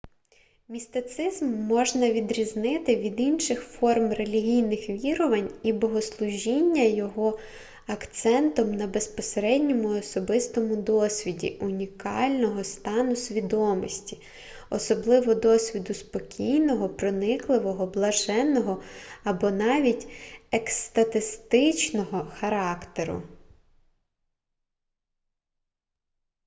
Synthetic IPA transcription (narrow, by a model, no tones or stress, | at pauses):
mʲist̪ɪt̪sɪzmːɔʒnɐʋʲid̪ɾʲiznɪt̪ɪʋʲid̪inʃɪxfɔrmre̞lʲiɦʲijnɪxʋʲiɾɔʋɐnʲibɔɦɔslˠʊʒʲinʲːɐjɔɦɔ | ɐkt̪sɛnt̪ɔmnɐbe̞spɔseɾɛdʲnʲɔmʊɔsɔbɪst̪ɔmʊd̪ɔsʲʋʲidʲḭʊnʲikɑlʲnɔɦɔst̪ɑnʊsʲʋʲid̪ɔmɔsʲtʲi̥ | ɔsɔblˠɪʋɔd̪ɔsʲʋʲid̪ʊspɔkʲʰijnɔɦɔpɾɔnɪklˠɪʋɔɦɔblˠɐʒɛnːɔɦɔɐbɔnɑʋʲitʲekst̪ɐt̪ɪst̪ɪt͡ʃnɔɦɔxɐɾɑkt̪eɾʊ̰